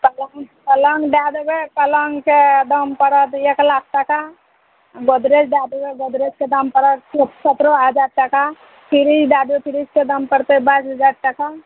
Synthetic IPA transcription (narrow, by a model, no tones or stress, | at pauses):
kəlŋkələŋɡɖjad̪bekələŋɡked̪əmpəɾət̪eklak̚ʰʈaka | ɡod̪ɾed͡ʒɖjad̪beɡod̪ɾet͡ʃked̪əmpəɾət̪sət̪ɾoɦəd͡ʒaɾʈəka | pʰiɾid͡ʒɖad̪epʰiɾid͡ʒked̪əmpəɾt̪ebasɦəd͡ʒaɾ̚ʈəka